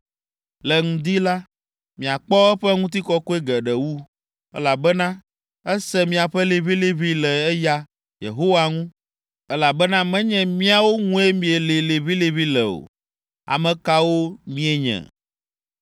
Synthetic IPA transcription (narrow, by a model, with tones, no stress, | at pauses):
lɛ˨ŋũ˨d̪i˦la˦ | mĩ˨a˨k͡pɔ˦ɛ˦ɸɛ˦ŋũ˦t̪̬i˦kɔ˦ko˦e˦ɡɛ˨ɖɛ˨wu˦ | ɛ̰˦la˨bɛ˦nã˦ | ɛ˦sɛ˦mĩ˨a˨ɸɛ˦le˨βi˦le˦βi˦lɛ˨ɛ˦ja˦ | jḛ˨ɦo˦wa˨ŋũ˦ | ɛ˦la˨bɛ˦nã˦mɛ̃˦ɲɛ̃˨mĩ˦a˨wo˦ŋũ˦e˦mĩ˨e˨le˨le˨βi˦le˨βi˦lɛ˨o̰˨ | a̰˨mɛ̃˨ka˦wo˦mĩ˦e˨ɲɛ̰̃˨